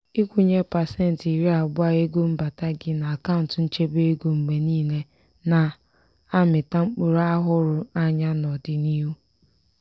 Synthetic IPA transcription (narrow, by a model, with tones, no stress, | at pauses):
i˦kʷu˦ɲe˦pa˨se˦n̩˨ti˨ɾi˦a˨ɡ͡bʊ˦a˦e˦ɡo˦m̩˦ba˨ta˦ɡɪ˦na˨a˨ka˦ʊ˨n˨tn̩˦t͡ʃe˦be˦e˦ɡo˨ŋ͡m̩˨ɡ͡be˨niː˦ne˦ | na˨ | a˦mɪ˨ta˦ŋ͡m̩˦k͡po˨ɾa˦ɦʊ˦ɾʊ˨a˦ɲa˦nɔ˨dɪ˨ni˦ɦu˦